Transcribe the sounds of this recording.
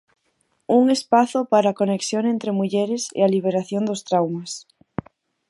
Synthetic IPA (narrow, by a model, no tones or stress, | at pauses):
uŋespaθopaɾaːkoneksjoŋẽnt̪ɾemuʎeɾesḛaliβ̞eɾaθjond̪ost̪ɾawmas